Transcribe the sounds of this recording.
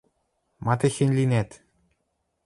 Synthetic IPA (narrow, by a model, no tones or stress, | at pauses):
mɑt̪ĕxɘ̆nʲlʲinæt̪